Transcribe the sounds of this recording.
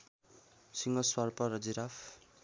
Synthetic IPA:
siŋɡʌswarpʌrʌd͡ziɾafʰ

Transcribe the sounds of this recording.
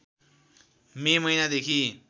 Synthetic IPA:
memʌjnad̪ekʰi

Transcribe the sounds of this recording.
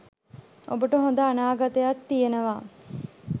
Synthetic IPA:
o̰bəʈəɦõnd̪əanaːɡat̪ejat̪ːijenəʋaː

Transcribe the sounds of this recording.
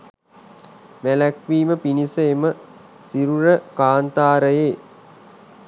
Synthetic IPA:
ʋælækʋiːməpinisəemə | siɾuɾəkaːnt̪aːɾəjeː

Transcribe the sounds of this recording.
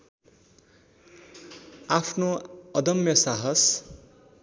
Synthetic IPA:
apʰnoʌd̪ʌmjʌsaɦʌs

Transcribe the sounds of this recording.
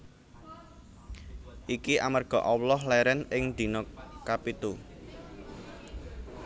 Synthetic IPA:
ʔikiʔa̰mərɡ̥ɔ̤ʔɔwlɔhlɛɾɛnɪŋd̪̥i̤nɔkapit̪u

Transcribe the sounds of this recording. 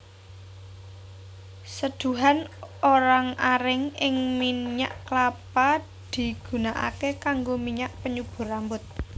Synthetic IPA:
səd̪̥ṳɦanoɾaŋaɾɪŋɪŋmiɲa̰ʔklapa | d̪̥i̤ɡ̥ṳnaʔa̰kekaŋɡomiɲaʔpəɲub̥ṳɾambʊt̪̚

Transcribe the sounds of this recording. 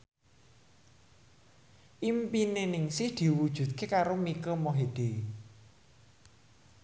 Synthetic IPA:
ʔimpinenɪŋsɪhd̪̥i̤wud̥ʒ̥ṳt̪̚kekaɾomikəmoɦed̪̥e

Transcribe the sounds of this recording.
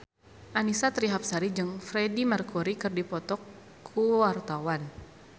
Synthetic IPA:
ʔanisat̪ɾiɦap̚saɾid͡ʒɨŋfɾɛdimərkuɾikɨrdipɔt̪ɔkʰː | uwart̪awan

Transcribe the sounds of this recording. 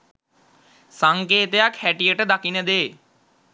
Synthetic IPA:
saŋkeːt̪əjakhæʈijəʈəd̪akinəd̪eː

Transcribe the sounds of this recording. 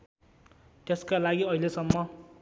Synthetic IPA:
t̪eskalaɡiʌilesʌmːʌ

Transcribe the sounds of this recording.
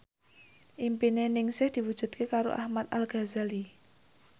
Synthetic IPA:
ʔimpinenɪŋsɪhd̪̥i̤wud̥ʒ̥ṳd̪̚kekaɾo̰ʔa̰hmat̪̚alɡ̥a̤zali

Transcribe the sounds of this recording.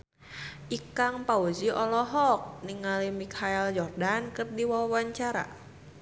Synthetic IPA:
ʔikaŋpaud͡ʒiʔɔlɔɦɔk̚niŋalimikʰaɛld͡ʒɔrdankɨrdiwawawaɲt͡ʃaɾa̰

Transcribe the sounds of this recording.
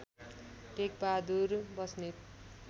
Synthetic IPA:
ʈek̚bad̪uɾbʌsne

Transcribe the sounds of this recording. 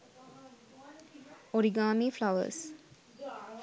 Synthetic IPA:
ɔɾiɡaːmiflaʊə̰s

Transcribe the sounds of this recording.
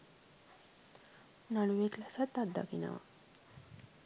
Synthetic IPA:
naɽuʋeklasat̪ːad̪ːa̰kina̰ʋa̰

